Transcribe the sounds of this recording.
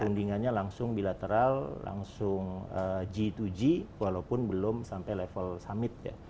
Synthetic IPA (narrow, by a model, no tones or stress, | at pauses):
əundiŋanɲalaŋsʊŋbilat̪əɾalːa̰ŋsʊŋəd͡ʒit̪ud͡ʒiwalaupʊnbəlʊmsampajlefəlsamɪt̪̚ja̰